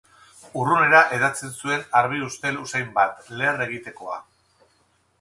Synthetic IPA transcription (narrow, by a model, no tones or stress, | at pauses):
urune̞ɾaʔe̞ðat͡sensue̞naɾβ̞iust̪e̞lusajmbat̪le̞ːre̞ɣ̞it̪e̞ko̞a̰